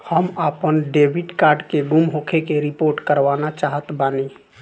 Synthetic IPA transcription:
həmapənɖeːbɪɖkaːɾɖkeɡʊmɦokʰekeɾɪpoːɾʈkəɾʋaːnat͡ʃaːɦət̪baːni

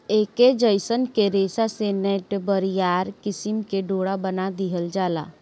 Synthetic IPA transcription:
eːked͡ʒəɪsənkeɾeːsasenɛʈbəɾijaːɾkɪsɪmkeɖoːɽabənad̪iɦəld͡ʒaːla̰ː

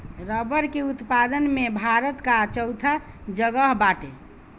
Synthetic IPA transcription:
ɾəbəɾkeut̪pad̪ənmebʱaɾət̪kat͡ʃəwt̪ʰa | d͡ʒəɡəɦbaʈe

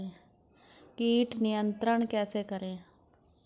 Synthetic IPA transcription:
ẽː | kiːʈnɪjə̃nt̪ɾəɳ̃kɛːseːkəɾẽː

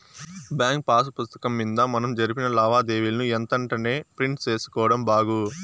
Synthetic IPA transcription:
bjaːŋk̚paːsɐpust̪ɐ̥kɐmːind̪ɐmɐnɐmd͡ʒɐɾipinɐlɐːʋaːd̪e̞ːʋilɐnuɛnt̪ɐɳʈɐne̞ːpɾiɳʈt͡ʃe̞ːsu̥kɔːʋɐɽɐmbaːɡu

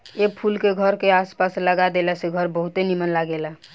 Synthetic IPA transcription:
epʰulkeɡʱəɾkeaspasləɡad̪elaseɡʱəɾbəɦut̪enimənlaɡela

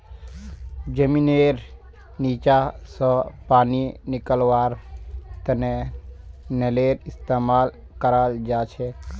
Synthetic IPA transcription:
d͡ʒəmineɾ | niːt͡ʃasə̃paːninɪkəlʋaːɾt̪əne | neleɾɪst̪eːmaːl | kəɾald͡ʒaːt͡ʃʰe

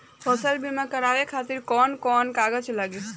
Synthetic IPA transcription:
pʰɔːsəlbimãkəɾaʋekʰat̪iɾkɔːnkɔnkaɡət͡ʃʰlaɡis

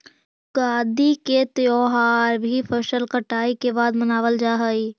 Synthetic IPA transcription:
ɡ̥aːd̪iket̪joːɦaːɾbʱipʰɐʃəlkəʈaːikebaːd̪mɐnaːʋəld͡ʒaːɦəiː

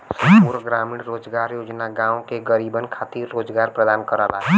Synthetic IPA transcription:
səpuɾɡɾamiɽɾod͡ʒɡaɾjod͡ʒnaɡãõkeɡəɾibənkʰat̪iɾːod͡ʒɡaɾpɾəd̪ankəɾəla

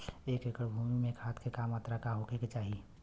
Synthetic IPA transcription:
eːkekəɽbʱuːmimẽkʰaːt̪kʰekamat̪ɾakaɦokeket͡ʃaːɦi

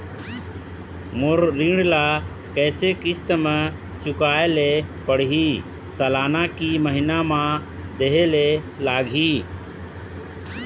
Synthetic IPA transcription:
mʊɾːiːɳlaː | kɛːsekɪst̪əmə | t͡ʃʊkaːeleːpəɽ̤ɦiː | səlaːnaːkiːməɦɪnaːmã | d̪eɦeːle | laːɡʱiː

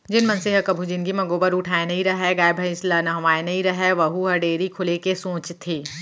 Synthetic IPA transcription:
d͡ʒɪnmɐnseɦɐkɐbʱud͡ʒɪnkimɐɡoːbəɾʊʈʰaːenɐɦĩɾɐɦɛɡaːjbʱɐɪ̃slɐnɐɦʋaːenɐɦĩɾɐɦɛʋɐɦuɦɐɖeːɾikʰʊlekesõːt͡ʃt̪ʰːeː

